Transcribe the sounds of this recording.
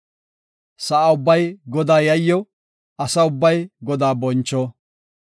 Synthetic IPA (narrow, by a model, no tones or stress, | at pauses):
sɐʔaʊbːɐjɡɔd̪aːjɐjːɔ | ɐsɐʊbːɐjɡɔd̪aːbɔnt͡ʃːɔ